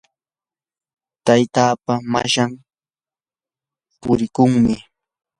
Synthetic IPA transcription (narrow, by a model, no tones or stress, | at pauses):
t̪ajt̪aːpama̰ʃam | pʊɾɪkʊŋmɪ